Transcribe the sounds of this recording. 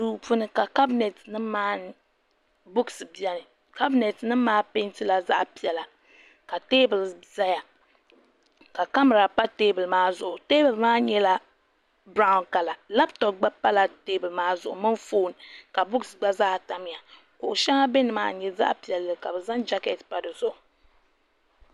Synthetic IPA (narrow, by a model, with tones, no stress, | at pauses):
duː˨˦pu˦nɨ˦ka˨ka˦bnɛ˨tnɨ˦maː˦n˦ | bʊ˦ksɨ˨bi˨a˦nɨ˨ | ka˦bi˨nɛ˨tnɨ˦m˦maː˦pe˦ntɨ˦la˨za̰˦ʔpi˨ɛ˨la˨ | ka˨teː˦bɨ˨lza˦ja˨ | ka˨ka˦mɨ˨ɾa˨pa˦teː˦bɨ˨lmaː˦zʊ˨ʔʊ˨te˦bɨ˨lmaː˦ɲɛ˦la˦ | bɾa˦ʊ˦nka˨la˨la˦btɔ˨p̚ɡ͡ba˦pa˦la˨teː˦bɨ˨lmaː˦zʊ̰˨ʔʊ̰˨mɨ˦ɱfoː˦˨n˨ka˨bʊ˦ksɡ͡ba˦zaː˦˨ta˨m˦ja˨ | kʊ˨ʔʊ˨ʃa˦ŋa˦be˦nɨ˨maː˦ɲɛ˦za̰˦ʔpi˨ɛ˨lːɨ˨ka˨bɨ˨za˦nd͡ʒa˦kɛ˨tpa˨dɨ˨zʊ˦ʔʊ˨